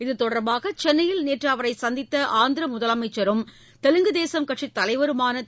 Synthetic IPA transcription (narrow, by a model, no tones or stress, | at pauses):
ɪðɯt̪ɔɽɐɾbaːɣɐt͡ʃɛnːɐjɪlneːʈraːʋɐɾɐɪsɐnd̪ɪt̪ːɐʔaːnd̪ɪɾɐmʊðɐlɐmɐɪt͡ʃːɐɾɯm | t̪ɛlɯŋɡɯðeːsɐmkɐʈʂit̪ːɐlɐɪʋɐɾɯmaːnɐ